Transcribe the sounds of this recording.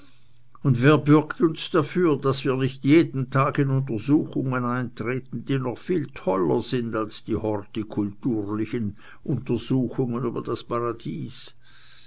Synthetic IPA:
ʊndveːɐbʏɐktʊnsd̥afyːɐdasv̥iːɐnɪçtjeːdn̩tʰaːɡɪnʊnt̬əzuːxʊŋənaɪntʁ̥eːtn̩d̥iːnɔχfiːltʰɔlɐ̰z̥ɪndalsd̥iːhɔʁtikʰʊltuːʁlɪçən | ʔʊntəzuːxʊŋəny̰ːbɐd̥aspʰaʁad̥iːs

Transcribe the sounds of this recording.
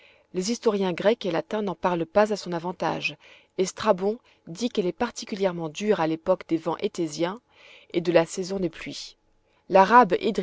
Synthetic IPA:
lezist̪ɔʁjɛ̃ɡʁɛkelat̪ɛ̃nɑ̃paʁlpazasɔ̃navɑ̃t̪a̰ʒ | est̪χabɔ̃ | d̪ikɛlɛpaʁt̪ikʲyljɛʁmɑ̃d̪yʁalepɔkd̪evɑ̃ʔet̪ezjɛ̃ | ed̪əlasɛzɔ̃d̪eplɥi | laʁabḛd̪

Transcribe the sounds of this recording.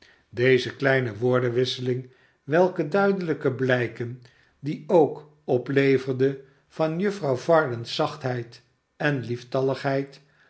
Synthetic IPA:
dejzəklɛjnəʋʊːɹdənʋɪsəlɪŋ | ʋɛlˠkədœɥdələkəblɛjkən | diowk | ɔplejvəɹdə | v̥ɑnjɵfrɑwvɑɹdənsɑχtɦɛjt | ɛnliftɑləχɦɛjt

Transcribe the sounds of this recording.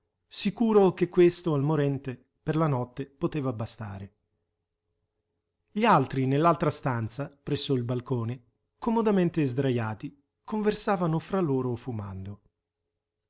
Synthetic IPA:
sikuːɾokekːwest̪oalmoɾɛnt̪e | perlanɔt̪ːepot̪eːvabast̪a̰ːɾe | ʎialt̪ɾinelːalt̪ɾast̪ant̪sapɾɛsːoilbalkoːne | komod̪ament̪ezd̪ɾajaːt̪i | kʰoɱversaːvanofɾalːoːɾofuma̰nd̪o

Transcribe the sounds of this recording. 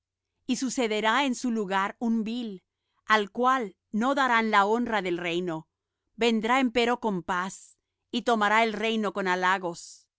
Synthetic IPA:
isuse̞ðe̞ɾae̞nsuluɣaɾumbil | alkwal | no̞ðaɾanlao̞nraðe̞lre̞jno̞ | be̞nd̪ɾae̞mpe̞ɾo̞ko̞mpas | it̪o̞maɾaelre̞jno̞ko̞nalaɣo̞s

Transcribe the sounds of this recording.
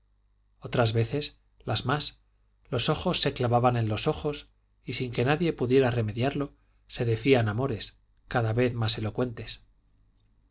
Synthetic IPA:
o̞t̪ɾazβe̞θe̞s | lazmas | lo̞so̞xo̞sːe̞klaβaβane̞nlo̞so̞χo̞s | isiŋke̞naðje̞puðje̞ɾare̞me̞ðjaɾlo̞ | se̞ðe̞θianamo̞ɾe̞s | kaðaβe̞θmase̞lo̞kwe̞nt̪e̞s

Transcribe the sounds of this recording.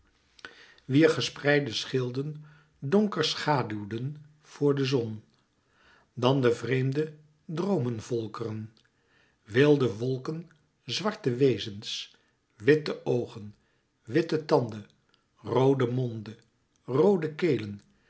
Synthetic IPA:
ʋiːɹχəsprɛjdəsχɪlˠdən | dɔŋkəɹsχaːdywdən | v̥ʊːɹdəzɔn | dɑndəvrejmdə | drowmənvɔlˠkərən | ʋɪlˠdəʋɔlˠkən | zʋɑɹtəʋejzəns | ʋɪtəʔowχən | ʋɪtətɑndə | rowdəmɔndə | rowdəkejlən

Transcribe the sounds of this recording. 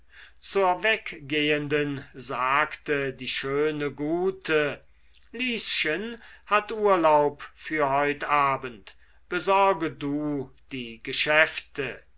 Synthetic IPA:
t͡suːɐvɛkɡ̥eːəndənzaːktədiːʃøːnəɡuːtʰə | liːsʃənhatʔuːɐlaʊpfyːɐhɔʏtʔaːbənt | b̥əzɔɐɡəduːd̥iːɡəʃɛftə

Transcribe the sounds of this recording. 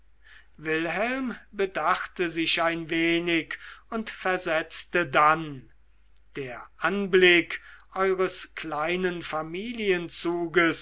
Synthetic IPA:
vɪlɦɛlmbədaχtəzɪʃaɪnveːnɪkʊntfɛɐzɛt͡stədan | d̥eːɐʔanblɪkʔɔʏʁəsklaɪnənfamiːliənt͡suːɡəs

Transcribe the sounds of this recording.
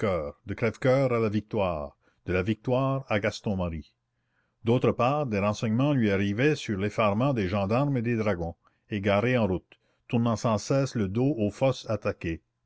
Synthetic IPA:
kœːʁd̪əkɾɛvkœːʁalavik̚t̪waːʁ | d̪̥əlavik̚t̪waːʁaɡast̪ɔ̃maɾi | d̪oːt̪ɾəpaːʁd̪eʁɑ̃sɛɲmɑ̃lɥiaʁivɛsyʁlefaʁmɑ̃d̪eʒɑ̃d̪aʁmed̪ed̪ʁaɡɔ̃ | eɡaɾeɑ̃ɾut̪ː | uɾnɑ̃sɑ̃sɛːsləd̪oʔofɔsat̪ake

